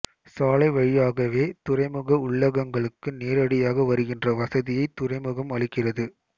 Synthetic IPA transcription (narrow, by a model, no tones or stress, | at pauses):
saːlɐɪʋɐɻɪjaːɣɐʋeːt̪ʊrɐɪmɯɣɐʊɭːɐɣɐŋɡɐɭɯkːɯneːɾɐɽɪjaːɣɐʋɐɾɯɣɪndrɐʋɐsɐðɪjɐɪt̪ːʊrɐɪmɯɣɐmɐɭɪkːɪrɐðɯ